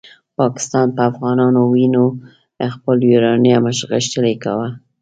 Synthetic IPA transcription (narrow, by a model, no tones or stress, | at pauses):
pɑkɪ̥st̪ɑnpəafɣɑnɑnowino | xpəljuɾɑnjaməʃɣəʃtəleka̰wa